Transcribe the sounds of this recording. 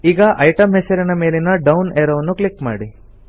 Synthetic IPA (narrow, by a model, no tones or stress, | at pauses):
iːɡɐʔɐjʈɐmɦeseɾɐnɐmeːlinɐɖɐwneːɾɐʋɐnːuklikma̰ːɽi